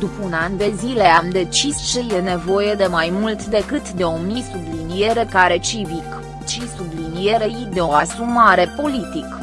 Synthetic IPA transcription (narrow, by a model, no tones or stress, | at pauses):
d̪upunand̪e̞zile̞amd̪e̞t͡ʃist͡ʃe̞je̞ne̞vo̞je̞d̪e̞majmult̪d̪e̞kɨt̪d̪e̞o̞misublinije̞ɾe̞kaɾe̞t͡ʃivik | t͡ʃisublinijeɾejd̪e̞oasumaɾe̞po̞lit̪ik